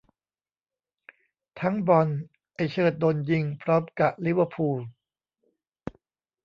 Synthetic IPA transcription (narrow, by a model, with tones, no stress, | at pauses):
t̪ʰa˦˥ŋbɔ˧n | ʔa˨˩jt͡ɕʰɤː˨˩t̪̚d̪oː˧nji˧ŋpʰɾɔ˦˥mka˨˩ʔ̚li˦˥wə˧pʰuː˧l